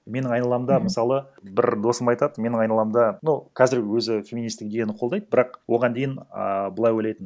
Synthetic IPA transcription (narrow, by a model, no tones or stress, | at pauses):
me̞nɪɴɑjnɑlˠɑmd̪ɑmɪsɑlˠə | bɪɾd̪o̞səmɑjt̪ɑd̪əme̞nɪŋɑjnɑlˠɑmd̪ɑnukʲʰæzɪɾwɵzɪfʲe̞mʲinist̪ɪk̚d̪e̞ɡʲe̞nɪqʰolˠd̪ɑjd̪əbɪɾɑqwo̞ʁɑnd̪e̞jɪnə̰bəlˠɑjwojlɑjt̪ən